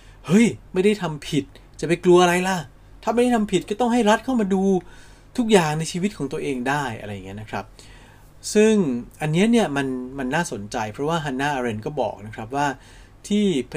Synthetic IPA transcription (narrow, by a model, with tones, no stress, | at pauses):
hɤ˦˥jma˥˩jda˥˩jt̪ʰa˧mpʰi˨˩t̪̚ | t͡ɕa˨˩pa˧jklu˧ɐʔa˧ɾa˧jla˧˩ | t̪ʰa˥˩ma˥˩jda˥˩t̪ʰa˧mpʰi˨˩t̪̚kɔː˥˩t̪ɔ˥˩ŋɦa˥˩jɾa˦˥t̪̚kʰa˥˩wmaː˧duː˧ | t̪ʰu˦˥k̬̚jaː˨˩ŋna˧jt͡ɕʰiː˧wi˦˥t̪̚kʰɔː˩˦ŋt̪u˧ɐʔeː˧ŋdaː˥˩jʔa̰˧ɾa˧jːa˨˩ŋːi˦˥n˦˥kʰɾa˦˥p̚ | sɯ˥˩ŋʔa˧nːi˦˥ɐni˥˩ɐma˧nma˧nːaː˥˩so˨˩˦nt͡ɕa˧jpʰɾɔ˦˥waː˥˩ɦa˧nːaː˥˩ʔaː˧ɾe˧nkɔː˥˩bɔ̰ː˨˩k̚na˦˥kʰɾa˦˥p̬̚waː˥˩ | t̪ʰiː˥˩pʰ